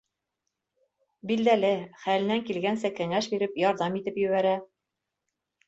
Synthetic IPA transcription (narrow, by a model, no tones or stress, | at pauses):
bild̪ælɘχælɘ̆næŋkilɡænsækæŋæʃbiɾɘpjɒɾðɑmit̪ɘpjɵ̆βæɾæ